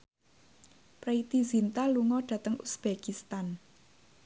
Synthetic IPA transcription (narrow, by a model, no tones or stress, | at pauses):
pɾeit̪izint̪aluŋɔɖ̥ä̤t̪əŋṵsb̥ekist̪an